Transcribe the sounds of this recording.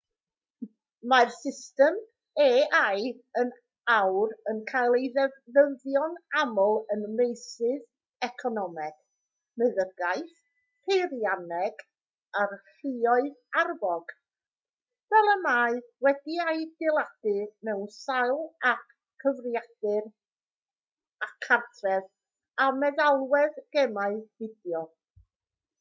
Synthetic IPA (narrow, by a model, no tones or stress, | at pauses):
marsɪstɛm | eːʔaj | ən | awrənkʰalˠeðəvjɔnamɔlˠənmejsɨð | ɛkʰɔnɔmɛɡ̥ | mɨðərɡaɨθ | pʰejɾjanɛɡ | arɬiɔɨðarvɔɡ̥ | vɛlˠəmaːɨwɛdiajdɪlˠad̥ɨmɛwnsajlˠak | kʰːəvrɪjad̥ɨr | akʰartʰrɛð | amɛðalˠwɛðɡ̥ɛmaɨvɪdjɔ